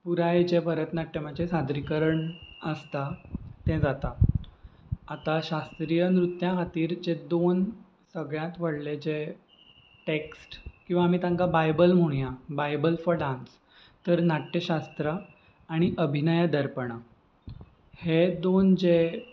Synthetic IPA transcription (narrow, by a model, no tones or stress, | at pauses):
puɾaed͡ʑepəɾət̪naʈːjəmad͡ʑesad̪ɾikəɾəɳəst̪at̪ɛ̃d͡zat̪a | t̪aɕast̪ɾijənɾut̪ːjãɦat̪iːɾd͡ʑed̪on | səɡɭjãt̪ʋəɽled͡ʑe | ʈeksʈkĩw̃ʋamit̪ãŋkabajbəlm̤uɽ̃jabajbəlfɔɾɖãns | t̪əɾnaʈːeɕast̪ɾə | aɽ̃iʔəbʱinəjad̪əɾpəɽ̃a | hed̪ond͡ʑe